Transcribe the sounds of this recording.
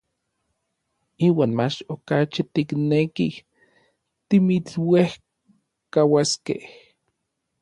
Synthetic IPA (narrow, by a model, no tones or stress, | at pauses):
iːwaːnmat͡ʃokat͡ʃit̪iknekih | t̪imit͡ɬweh | kawaskḛh